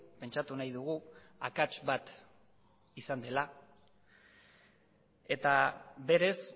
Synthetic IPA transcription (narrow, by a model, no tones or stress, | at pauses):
pe̞nt͡ʃat̪unajðuɣ̞uakat͡ʃbat̪ | isand̪e̞la | e̞t̪abe̞ɾe̞s